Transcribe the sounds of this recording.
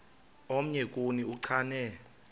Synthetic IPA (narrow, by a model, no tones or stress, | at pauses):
om̩ɲɛk̬ʼuniuǀʰaːnɛ